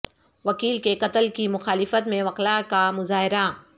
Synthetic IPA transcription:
ʋɐkiːlkeqɐt̪əlkimʊxaːlɪfət̪mẽʋɐqlakamʊzaːɦɪɾa

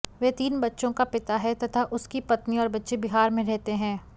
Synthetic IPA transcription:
ʋeːt̪iːnbɐtːʃõkapɪt̪aɦɛt̪ɐt̪ʰaʔʊskipɐt̪niɔːɾbɐtːʃebɪɦaːɾmẽɾɛɦt̪eɦɛ̃ː

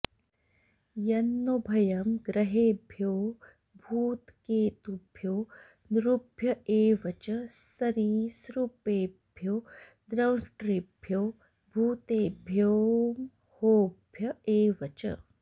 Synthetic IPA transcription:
jɐnːobʱɐjɐmɡɾɐɦeːbʱjoː | bʱuːt̪keːt̪ubʱjoː | nɾubʱjɐʔeːʋɐt͡ʃɐsɐɾiːsɾupeːbʱjoː | d̪ɾɐwʈɾibʱjoː | bʱuːt̪eːbʱjoːm | hoːbʱjɐeːʋɐt͡ʃɐ̰

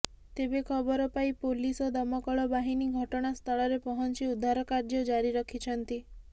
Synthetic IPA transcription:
t̪ebekʰɔbɔɾɔpaipolisɔd̪ɔmɔkɔɭɔbaɦiniɡʱɔʈɔɽ̃ast̪ʰɔɭɔɾepɔɦɔnt͡ʃiud̪ʱːaɾɔkaɾd͡ʒɔd͡ʒaɾiɾɔkʰit͡ʃʰɔnt̪i

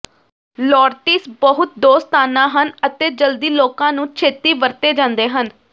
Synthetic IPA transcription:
lɔːɾʈiːsbəɦʊt̪̚d̪oːst̪aːnãːɦənət̪eːd͡ʒəld̪iːloːkãːnũːt͡ʃʰeːt̪iːʋəɾt̪eːd͡ʒãːnd̪eːɦən

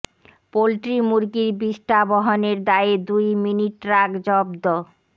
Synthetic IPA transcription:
polʈɾimuɾɡiɾbiʃʈabɔɦoneɾd̪aed̪ujminiʈɾaɡd͡ʑɔbd̪o

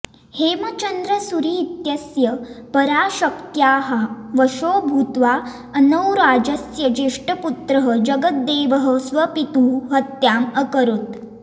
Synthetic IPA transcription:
hemət͡ʃənd̪ɾəsuɾit̪jəsjəpəɾaɕəkt̪jaːɦaʋəʃobʱut̪ʋa | ənəwɾad͡ʑəsjəd͡ʑeʂʈəput̪ɾəɦəd͡ʑəɡət̪̚d̪eʋəɦəsʋəpit̪uːɦət̪jaməkəɾut̪

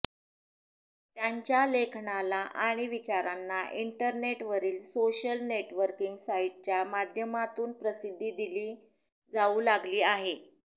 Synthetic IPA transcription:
t̪jaɲt͡ɕjalekʰɳalaʔaɽ̃iʋit͡ɕaɾanːaʔiɳʈəɾneʈʋəɾiːlsoɕəlneʈʋəɾkiŋɡsaiʈ̚t͡ɕjamad̪ʱjəmat̪uːnpɾəsid̪ʱːiːd̪iliː | d͡zaulaɡliːaɦe

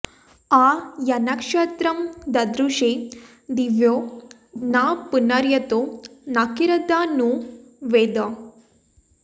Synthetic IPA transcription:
ajɐnakʂɐt̪ɾɐmd̪ɐd̪ɾuʂe | d̪iʋjo | napunaɾjɐt̪onakiɾɐd̪anu | ʋed̪ə

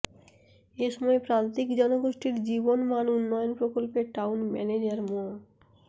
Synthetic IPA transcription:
eʃɔmɔepɾant̪ikd͡ʑɔnoɡoʃʈiɾd͡ʑibonmanunːɔjonpɾokolpeʈawnmɛ̰ned͡ʑaɾmon

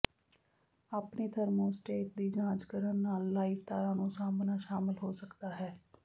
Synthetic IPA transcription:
aːpneːt̪ʰəɾmoːsʈeːk̚d̪iːd͡ʒãːd͡ʒkəɾənːaːlːaːiːʋt̪aːɾãːnũːsaːmnaːʃaːmɪlɦoːsəkd̪aːɦɛː

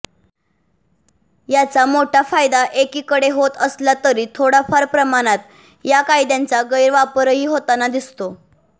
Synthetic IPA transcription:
jat͡samoʈʰafajd̪aʔekiːkəɽeɦot̪əslat̪əɾiːt̪ʰoɽafaɾpɾəmaɽ̃at̪ | jakajd̪jant͡saɡəjɾʋapɾəɦiːɦot̪anad̪ist̪o

